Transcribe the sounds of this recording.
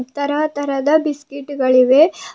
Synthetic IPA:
t̪ɐɾɐt̪ɐɾɐd̪ɐbiskiʈːɡɐɭiʋe̞

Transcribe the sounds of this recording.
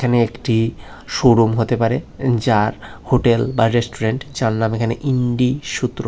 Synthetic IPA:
kʰaneekʈi | ʃoɾumɦot̪epaɾed͡ʑaɾhoʈelbaɾesʈuɾeɳʈd͡ʑaɾnamekʰaneʔiɳɖiʃut̪ːɾo

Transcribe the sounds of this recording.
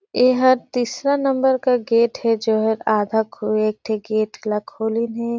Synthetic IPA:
eːɦɐɾt̪iːsɾanɐmbəɾkaɡeːʈhɛd͡ʒoːɦəɾaːd̪ʱakʰoeːk̚t̪ʰeɡeːʈlɐkʰoːlinɦɛ

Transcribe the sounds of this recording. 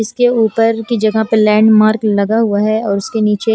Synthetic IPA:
ɪskeuːpəɾkid͡ʒɐɡapəlɛːɳɖmaːɾklɐɡaɦʊaɦɛɔːɾʊskeniːt͡ʃe

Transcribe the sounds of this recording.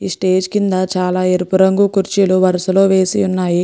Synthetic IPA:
isʈe̞ːd͡ʒkind̪at͡ʃaːlaːeɾupuɾɐŋɡukuɾt͡ʃiluʋɐɾɐsulo̞ːʋe̞ːsiunːaːji

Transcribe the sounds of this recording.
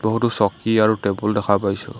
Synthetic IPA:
bɔɦutʊsɔkiaɹutebʊldɛkʰapajsʊ̰

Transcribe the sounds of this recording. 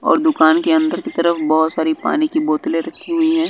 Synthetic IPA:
ɔ̰ːɾd̪ʊkaːnkeɐ̃nd̪əɾkit̪ɐɾəfbɐɦʊt̪saːɾipa̰ːnikiboːt̪leɾɐkʰiɦʊiɦɛ̃ː

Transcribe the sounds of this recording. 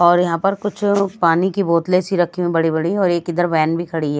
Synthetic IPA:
ɔːɾjɐɦãpɐɾkʊt͡ʃʰpaːnikiboːt̪lesiɾɐkʰimẽbɐɽibɐɽiɔːɾeːkɪd̪əɾʋɛːnbʱikʰɐɽiɦɛː

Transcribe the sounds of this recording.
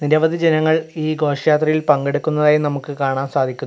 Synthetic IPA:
niɾɐʋɐd̪ʱid͡ʑenɐŋːɐɭiːɡo̞ːʂɐjaːt̪rɐjilpɐŋɡe̞ɽukːunːɐðaːjumnɐmukːɨkaːɳaːmsaːd̪ʱikʲːu

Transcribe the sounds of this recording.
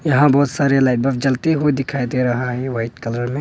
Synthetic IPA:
jɐɦãbɔːt̪saːɾelaːɪʈ̚bɐfd͡ʒɐlt̪iɦod̪ɪkʰaːid̪eɾɐɦaɦɛʋaːɪʈkɐləɾmẽː

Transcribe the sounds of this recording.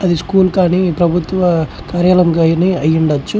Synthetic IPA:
ɐd̪iskuːlkaːnipɾɐbʱut̪ʋɐ | kaːɾjɐlɐmɡaːjniɐjːiɳɖɐt͡ʃːu

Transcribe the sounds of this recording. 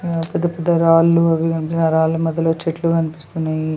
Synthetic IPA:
pɛd̪ɐpɐd̪ɐɾaːlːuɐʋikɐnpisnɐɾaːlːumɐd̪ʱjɐloːt͡ʃeʈlukɐnipist̪unːaji

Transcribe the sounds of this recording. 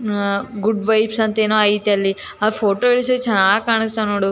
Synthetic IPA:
ɡuɖʋɐjpsɐnt̪ɐeːnoːɐjit̪eɐlːi | ɐpʰoːʈoːiɭis̬iɾet͡ʃɛnːaːɡkaːɳist̪anoːɽu

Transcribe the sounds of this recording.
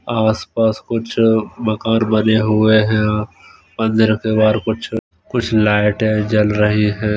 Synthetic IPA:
aːspaːskʊt͡ʃʰmɐkaːnbɐneɦʊeɦɛ̃ | pɐ̃nd̪ɾəkebaːɾkʊt͡ʃʰ | kʊt͡ʃʰlaːɪʈɦɛ̃d͡ʒɐlɾɐɦiɦɛ̃ː

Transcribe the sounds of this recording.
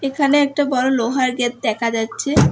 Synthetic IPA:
ekʰaneɛk̚ʈabɔɾoloɦaɾɡɛt̪̚d̪ɛkʰad͡ʑatːɕʰe

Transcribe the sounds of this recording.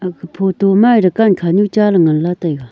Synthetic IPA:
akəpʰot̪omarəkankʰaɲut͡ɕalaŋənlat̪ajk

